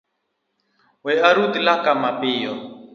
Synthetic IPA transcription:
wɛaɾud̪ilakamapiːjɔ

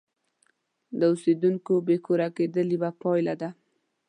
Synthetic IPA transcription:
d̪əused̪uŋkobekoɾaked̪əlibapɑjlad̪a

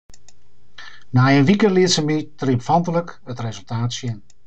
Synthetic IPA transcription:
najənʋikəliətsəmitriəpfɑntələkətrezəlˠtaːtsjən

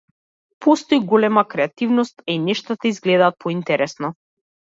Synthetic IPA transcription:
pʰɔst̪ɔjɡɔlɛmakɾɛat̪ivnɔst̪inɛʃt̪at̪aizɡlɛd̪aːt̪̚pʰɔint̪ɛɾɛsnɔ

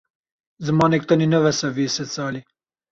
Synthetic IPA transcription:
zɨmɑːnek̚t̪ɐninɐvɐsɐviːset͡saːli

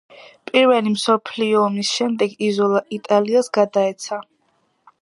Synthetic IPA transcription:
pʼiɾvɛlimsɔpʰliɔːmisʃɛmd̪ɛɡizɔlˠaʔit̪ʼaliasɡad̪aɛt̪sʰa

